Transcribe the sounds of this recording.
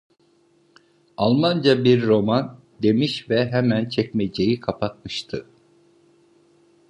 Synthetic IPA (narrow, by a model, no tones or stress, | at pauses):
alˠmand͡ʒabiɾːo̞man | d̪e̞miʃvɛɦɛmænt͡ʃʰɛcmed͡ʒejikʰapʰat̪̚mɯʃt̪ʰɯ